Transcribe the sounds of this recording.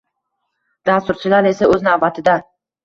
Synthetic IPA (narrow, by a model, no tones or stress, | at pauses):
d̪̥ast̪ʊɾt͡ʃʰɪlaɾe̞saɵznavbat̪ʰɪd̪a